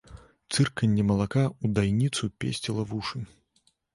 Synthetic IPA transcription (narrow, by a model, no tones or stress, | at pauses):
t̪sɨrkɐnʲːɛmɐlˠakaud̪ajnʲit̪supʲḛsʲt͡sʲilˠɐvuʂɨ